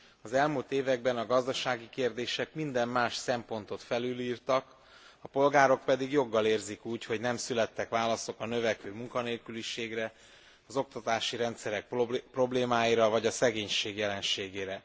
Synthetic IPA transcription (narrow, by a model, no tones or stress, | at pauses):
ɒzɛlmult̪eːvɛɡ̚bɛnɒɡɒzd̪ɒʃaːɡikeːrd̪eːʃɛkmind̪ɛmːaːʃsɛmpo̞nt̪o̞t̪fɛlyliːrt̪ɒk | ɒpo̞lɡaːɾo̞k̚pɛd̪iɡjo̞ɡːɒleːrzikuːcho̞ɟnɛmsylɛt̪ːɛkʋaːlɒso̞kɒnø̞vɛkøːmuŋkɒneːlkyliʃeːɡrɛ | ɒzo̞k̚t̪ɒt̪aːʃiɾɛnt̪sɛɾɛk̚ppro̞bleːmaːjiɾɒvɒɟɒsɛɡeːɲʃeːɡjɛlɛnʃeːɡeːɾɛ